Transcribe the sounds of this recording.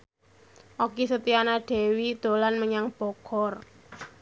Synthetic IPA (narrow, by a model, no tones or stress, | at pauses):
ʔokisət̪ianaɖ̥ɛ̤wid̪̥o̤lanməɲaŋb̥ɔkɔr